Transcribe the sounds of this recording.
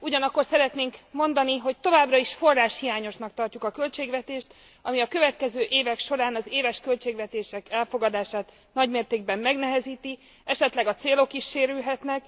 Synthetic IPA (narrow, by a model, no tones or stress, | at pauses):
uɟɒnɒkːo̞rsɛɾɛt̪neːŋkmo̞nd̪ɒniɦo̞ct̪o̞vaːbrɒiʃfo̞rːaːʃhijaːɲo̞ʃnɒk̚t̪ɒrcukɒkø̞lt͡ʃeːɡvɛt̪eːʃt̪ | ɒmiɒkø̞vɛt̪kɛzøːʔeːvɛkʃo̞ɾaːnɒzeːvɛʃkø̞lt͡ʃeːɡvɛt̪eːʃɛkɛlfo̞ɡɒd̪aːʃaːt̪ | nɒɟmeːrt̪eːɡ̚bɛmːɛɡnɛɦɛziːt̪i | ɛʃɛt̪lɛɡɒt̪seːlo̞kiʃːeːɾylɦɛt̪nɛk